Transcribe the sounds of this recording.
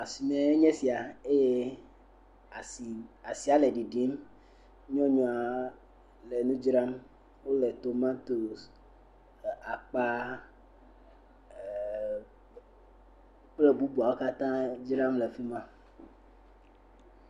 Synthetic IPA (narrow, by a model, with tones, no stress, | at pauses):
a˨si˨mẽ˨˦e˦ɲɛ̃˦si˨a˨e˦je˦˨ | a˨si˨a˦le˨ɖi˨ɖi˦m | ɲɔ̃˦ɲɔ̃˨a˨ | le˨nũ˦d͡ʒɾa˦m | wo˦le˨t̪o˨mã˦t̪o˨ | a˨k͡pa˦ | k͡ple˦bu˦bu˨a˨wo˦ka˦t̪ã˦d͡ʒɾã˦mle˨fi˦mã˦